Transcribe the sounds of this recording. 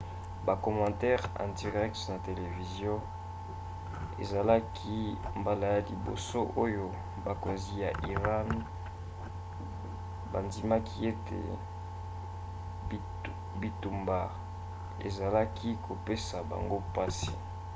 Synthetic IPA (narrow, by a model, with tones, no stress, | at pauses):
ba˨kɔ˨mɑ̃˨tɛ˦ʁã̰˨nti˨ʁɛ˦k̚tna˨te˨le˨vi˨zjɔ̃˦ | ḛ˨za˨la˦kʰi˦mba˦la˨ja˦lḭ˨bo̰˨so˦ʔo˦jo˦ | ba˨ko˨nzi˦ja˨ʔi˨ʁa˦n | ba˨ndi˨ma˦kʰi˦e˦tḛ˨ | bi˨tu˨mba˨ | ḛ˨za˨la˦kʰi˦ko˨pe˦sa˨ba̰˨ŋɡo˦pa˦si̥˨